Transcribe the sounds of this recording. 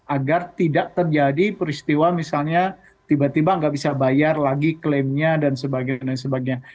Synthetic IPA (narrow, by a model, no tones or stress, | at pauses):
ʔaɡart̪idaʔ̚t̪ərd͡ʒadipɾist̪iwamisalɲa | t̪ibat̪ibaŋɡaʔbisabajarlaɡiklemɲadansəbaɡanasəbaɡɲa